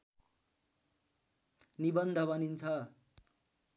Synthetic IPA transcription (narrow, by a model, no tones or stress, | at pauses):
nibʌnd̪ʱʌβʌnint͡sʰʌ